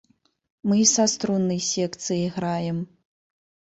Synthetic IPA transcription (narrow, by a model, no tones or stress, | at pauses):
mɨsast̪ɾunːɨjsʲɛkt̪sɨjiɣɾajɛm